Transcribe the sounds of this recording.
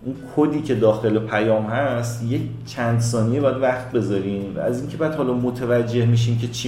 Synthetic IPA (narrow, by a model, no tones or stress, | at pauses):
ʔunkʰod̪iːcʰe̞d̪ɒːxe̞le̞pʰæjɒːmhæst̪je̞ct͡ʃʰænd̪sɒːnijebɒːjæd̪væχt̪̚be̞zɒːɾiːnvæ̰æziːŋcʰebɒjæd̪hɒːlɒmot̪ʰevæd͡ʒːe̞hmiʃ̬iːncʰe̞t͡ʃʰi